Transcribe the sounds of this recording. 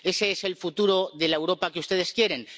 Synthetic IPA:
e̞se̞e̞se̞lfut̪uɾo̞ðe̞laewɾo̞pakeust̪e̞ð̞e̞skje̞ɾen

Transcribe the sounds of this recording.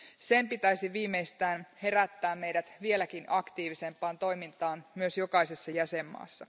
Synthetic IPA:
se̞mpit̪æjsiʋiːmːeist̪æːnhe̞ɾæt̪ːæːmme̞jdæt̪ʋie̞lækinʔɑkt̪iːʋise̞mpːˑɑːnt̪o̞jmint̪ɑːnmyø̞sjo̞kɑise̞sːɑjæse̞mːɑ̰ːsːɑ

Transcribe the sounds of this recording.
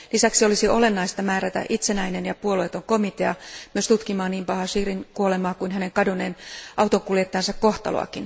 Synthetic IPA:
lisæksiolisiʔo̞lenːɑist̪ɑmæːɾæt̪æ̰ʔit̪senæinenjɑpuoloet̪oŋkomit̪eɑmyøst̪ut̪kimɑːniːmpɑhɑsiːrinkuolemɑːkuinɦæneŋkɑdoneːnʔɑut̪oŋkuljet̪ːɑːnsɑkkoht̪ɑ̰lo̰ɑ̰kin

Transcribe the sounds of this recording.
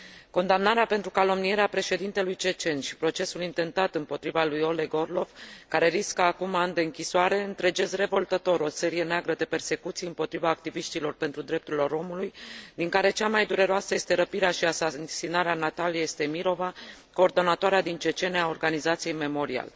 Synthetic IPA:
ko̞nd̪amnaɾeape̞nt̪ɾukalo̞mnije̞ɾeapɾe̞ʃe̞d̪int̪e̞lujt͡ʃe̞t͡ʃe̞nʃi̥pɾo̞t͡ʃe̞sulint̪e̞nt̪at̪ɨmpo̞t̪ɾivalujo̞le̞ɡo̞rlo̞vkaɾe̞ɾiskəakumand̪e̞ɨŋkʲisoaɾe̞ɨnt̪ɾe̞d͡ʒe̞zre̞vo̞lt̪ət̪o̞ɾo̞se̞ɾije̞neaɡɾəd̪e̞pe̞rse̞kut̪sijɨmpo̞t̪ɾivaːk̚t̪iviʃt̪ilo̞rpe̞nt̪ɾud̪ɾe̞p̚t̪uɾilo̞ɾo̞mulujd̪iŋkaɾe̞t͡ʃamajd̪uɾe̞ɾoasəje̞st̪e̞ɾəpiɾeaʃiasasinaɾeanat̪alijejst̪e̞miɾo̞va | ko̞ːrd̪o̞nat̪oaɾead̪int͡ʃe̞t͡ʃe̞neaorɡanizat̪sije̞jme̞mo̞ɾia̰l

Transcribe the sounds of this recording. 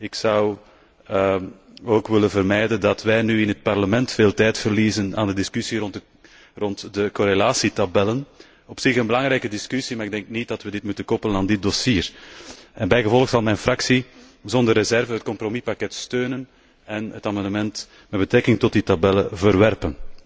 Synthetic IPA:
ɪksɑw | oːkʋɪlənvərmɛjdəndɑtʋɛjnyɪnɦət̚pɑrləmɛntfeːlˠtɛjtfərliːzəna̰ːndədɪskysirɔnt | rɔntdəkoɾelaːsitabɛlən | ɔpsɪxənbəlɑŋɾɛjkədɪskysimaːɾɪɡdɛŋk̚nit̚dɑtʋədɪtmutənkɔpələnaːndɪt̚dɔsiːr | ɛnbɛjɣəvɔləxsɑlˠmɛjnfrɑksi | zɔndərezɛrvəɦət̚kɔmpromipakɛtstøːnən | ɛnətamɑndəmɛnt | mɛd̚bətɾɛkɪŋtɔt̚ditabɛləvərʋɛrpən

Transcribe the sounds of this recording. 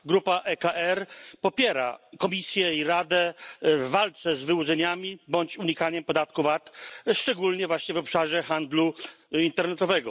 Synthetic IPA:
ɡɾupaʔɛkaʔɛɾpɔpʲjɛɾa̰kɔmʲisʲjɛiɾad̪ɛvːalt̪sɛzvɘwud̪zɛɲamʲibɔɲt͡ɕuɲikaɲɛmpɔd̪at̪kuvat̪ʂt͡ʂɛɡulɲɛvwaɕɲɛvɔpʂaʐɛxand̪lu | int̪ɛɾnɛt̪ɔvɛɡɔ

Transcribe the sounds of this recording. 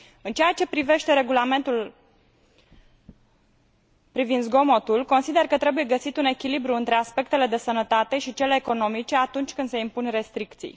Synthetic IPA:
ɨnt͡ʃejat͡ʃe̞pɾive̞ʃt̪e̞ɾe̞ɡulame̞nt̪ul | pɾivind̪zɡo̞mo̞t̪ulko̞nsid̪e̞rkət̪ɾe̞buje̞ɡəsit̪une̞kʲilibɾuɨnt̪ɾe̞aspe̞k̚t̪e̞le̞d̪e̞sənət̪at̪e̞ʃit͡ʃe̞le̞ːko̞no̞mit͡ʃe̞at̪unt͡ʃʲkɨnd̪se̞impunre̞st̪ɾikt̪sḭj

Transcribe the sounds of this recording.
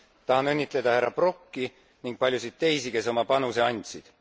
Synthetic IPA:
t̪ɑhɑnɤnʲːit̪ˑle̞d̪̥ɑhæɾːɑb̥ro̞kːi | niŋɡ̥̚pɑlʲjusid̪̥̚t̪e̞jsike̞so̞mɑpɑnuse̞ɑnʲt̪ʲsid̪̥

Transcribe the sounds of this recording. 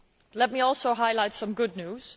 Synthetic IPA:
lɛt̚miɔlˠsoʊɦaɪlaɪtsʌ̃mɡʊdⁿnʉz̥

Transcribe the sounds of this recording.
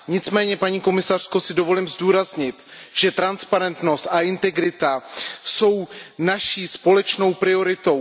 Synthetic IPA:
ɲɪt͡smɛːɲɛpaɲiːko̞mɪsar̝̥ko̞sɪdo̞vo̞lɪmzduːɾazɲɪt̪ | ʒ̥ɛt̪ɾanspaɾɛnt̪no̞st̪ʔaʔɪnt̪ɛɡɾɪt̪aso̞wnaʃiːspo̞lɛt͡ʃno̞wpɾɪo̞ɾɪt̪o̞w

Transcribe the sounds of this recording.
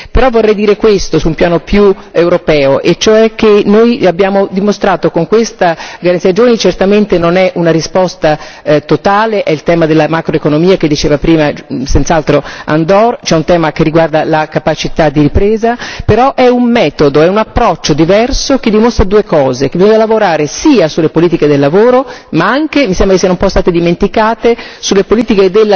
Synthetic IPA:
peɾɔvːorːɛjd̪iːɾekwest̪osumpjaːnopjuewɾopɛːoʔet͡ʃːoɛk̟ːenojabjaːmod̪imost̪ɾaːt̪okoŋkwest̪aɡaɾant̪iad͡ʒoːnit͡ʃert̪ament̪enonɛʔunaɾispɔst̪at̪ot̪aːleʔɛilt̪ɛːmad̪elːamakɾoekonomiːak̟ed̪ːit͡ʃeːvapɾiːmasɛnt̪salt̪ɾoa̰nd̪ɔrt͡ʃɛunt̪ɛːmak̟erːiɡward̪alakapat͡ʃit̪ad̪ːiɾipɾeːzapeɾɔʔɛummɛːt̪od̪oɛunapːɾɔt͡ʃːod̪ivɛrsok̟ed̪ːimost̪ɾad̪uːekɔːzekebizɔɲːalavoɾaːɾesiːasulepoliːt̪iked̪elːavoːɾomaaŋk̟emisɛmbɾksianumpɔst̪aːt̪ed̪iment̪ikaːt̪esulːepoliːt̪iked̪elː

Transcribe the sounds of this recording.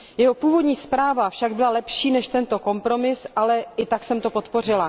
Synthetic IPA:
jɛɦo̞puːvo̞dɲiːspɾaːvafʃaɡbɪlalɛpʃiːnɛʃt̪ɛnt̪o̞ko̞mpɾo̞mɪsʔalɛɪt̪aksɛmt̪o̞pot̪po̞r̝ɪla

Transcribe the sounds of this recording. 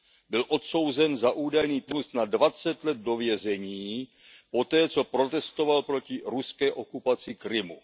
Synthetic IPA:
bɪlʔo̞t̪so̞wzɛnzaʔuːdajniːt̪nust̪nadvat͡sɛt̪lɛd̪̚do̞vjɛzɛɲiː | po̞t̪ɛːt͡so̞pɾo̞t̪ɛst̪o̞valpɾo̞cɪɾuskɛːʔo̞kupat͡sɪkɾɪmu

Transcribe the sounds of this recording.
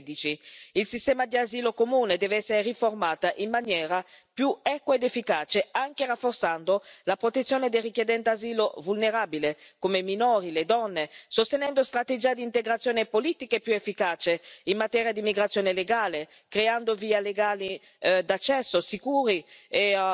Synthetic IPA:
d̪it͡ʃiilsist̪ɛːmad̪iaziːlokomuːned̪ɛːveɛsːeɾeriformaːt̪aʔimːanjɛːɾapjuɛkwaed̪efːikaːt͡ʃeaŋkerafːort̪sand̪olapɾot̪et̪sjoːned̪elrikjed̪ɛnt̪eaziːlovulneɾaːbilekomeminoːɾiled̪ɔnːesost̪enɛnd̪ost̪ɾat̪ed͡ʒiːad̪iːnt̪eɡɾat̪sjoːnepoliːt̪ikepːjuefːikaːt͡ʃeinmat̪ɛːɾjad̪imiɡɾat̪sjoːneleɡaːle | kɾeand̪oviːaleɡaːli | d̪at͡ʃːɛsːosikuːɾie

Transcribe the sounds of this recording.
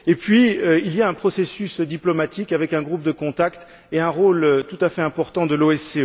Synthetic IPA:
epɥiøiljaɛ̃pχɔsesysd̪iplɔmat̪ikavɛkɛ̃ɡʁup̚d̪əkɔ̃t̪akt̪ | eɛ̃ʁoløt̪ut̪afɛɛ̃pɔʁt̪ɑ̃d̪əloɛseø

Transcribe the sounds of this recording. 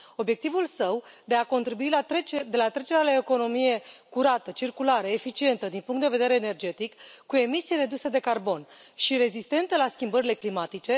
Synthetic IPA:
o̞bje̞k̚t̪ivulsəwd̪e̞ako̞nt̪ɾibuild̪e̞lat̪ɾe̞t͡ʃe̞ɾealaeko̞no̞mije̞kuɾat̪ət͡ʃirkulaɾəefit͡ʃie̞nt̪əd̪inpuŋkt̪d̪e̞ve̞d̪eɾeːne̞rd͡ʒe̞t̪ikːue̞misijɾe̞d̪used̪e̞karbo̞n | ʃiɾe̞zist̪e̞nt̪əlaskʲimbəɾile̞klimat̪it͡ʃe̞

